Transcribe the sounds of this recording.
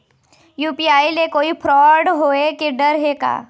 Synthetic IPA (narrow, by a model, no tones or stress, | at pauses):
juːpiaːilekoːipʰɾɔːɖɦoːekɪɖəɾɦeka̰ː